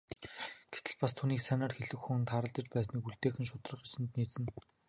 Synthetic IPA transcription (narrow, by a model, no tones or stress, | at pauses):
ɡ̥et̪ɘ̆ɮpast̪ʰuːniːksænaːrxeɮɘ̆kxŭnt̪χaɾə̆ɮt̪ə̆t͡ɕpæːs̬niːkuɮt̪eːxɘ̆nʃʊt̪rə̆χisɘ̆nt̪niːt͡sɘ̆n